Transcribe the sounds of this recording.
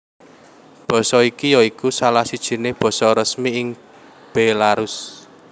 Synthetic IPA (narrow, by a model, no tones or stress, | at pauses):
b̥ɔ̤sɔikijɔikusalahsid̥ʒ̥i̤neb̥ɔ̤sɔɾəsmiɪŋ | b̥elaɾʊs